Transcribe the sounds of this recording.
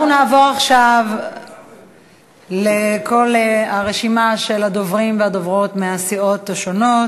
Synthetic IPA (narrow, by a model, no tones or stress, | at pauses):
unaːvo̞ʁaχʃav | leko̞laʁe̞ʃimaʃe̞lad̪o̞vʁimveadovʁo̞tmeasio̞taʃo̞no̞t